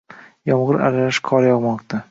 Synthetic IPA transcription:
jɒmʁɨɾa̰ɾalaʃkʰɒɾjɒʁmɒqt̪ʰa

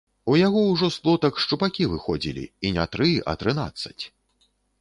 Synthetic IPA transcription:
ujaɣɔwʐɔsplˠɔt̪ɐkʂt͡ʂupakʲivɨxɔd͡zʲḭlʲḭinʲat̪ɾɨʔɐ̰t̪ɾɨna̰t̪sːɐ̥t͡sʲ

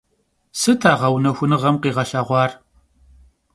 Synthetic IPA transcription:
sɨtʰaːʁɐwnɐxʷʊnɨʁɐmqiːʁɐɬaːʁʷɑːr

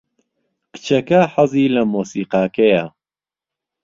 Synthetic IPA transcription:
kɨ̥t͡ʃʰɐkɐħɐziːlɐmoːsiːqaːkɐja

